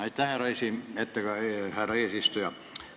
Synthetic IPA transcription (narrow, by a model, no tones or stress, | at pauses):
ɑit̪t̪æhæreisiːet̪ːækɑhæreesist̪ujɑ